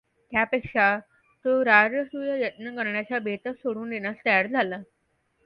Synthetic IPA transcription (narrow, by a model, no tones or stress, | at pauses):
t̪japekʂa | t̪oɾaɾəsujəjət̪nəkəɾɳjat͡ɕabʱet̪əksoɽuːnd̪enast̪əjaɽd͡zʱala